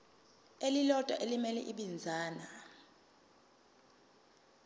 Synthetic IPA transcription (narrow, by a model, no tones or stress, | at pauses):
elilɔd̥ʱʼwa̰ʔelimɛlɛ̰ʔiɓind͡zʱaːna